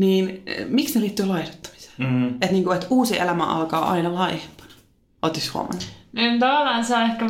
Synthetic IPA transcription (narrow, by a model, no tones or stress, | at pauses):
niːnmiksneliːt̪ːyːlɑiho̥t̪ːɑ̥mi̥se̥ːet̪niːŋkuet̪uːsiʔelæmæ̰ʔɑ̰lkɑːʔɑ̰inɑlɑihempɑ̥nɑ̥ | ʔot̪ːishṵo̰mɑ̰nːi̥ent̪ɑʋɑlːˑɑːnsɑːehkæ